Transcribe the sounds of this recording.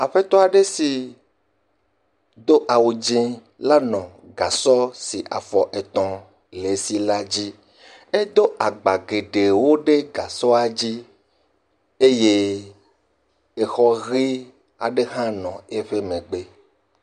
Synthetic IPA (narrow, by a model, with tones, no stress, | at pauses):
a˨ɸe˦t̪ɔ˦a˨ɖe˦si˨ | d̪o˦ʔa˨wo˨d͡ʒĩ˦ | la˦nɔ̃˨ | ɡa˨sɔ˦si˨ʔa̰˨fɔ˨ʔe˨t̪ɔ̃˨ | le˨˦si˦la˦d͡ʑi˦ | e˦d̪o˦ʔa˨ɡ͡ba˨ɡe˨ɖe˨wo˦ɖe˦ɡa˨sɔ˦a˨d͡ʑi˦ | e˦je˦ | e˦xɔ˦ɣi˦ | a̰˨ɖe˦ɦã˦nɔ̃˨e˦ɸe˦mẽ˨ɡ͡be˦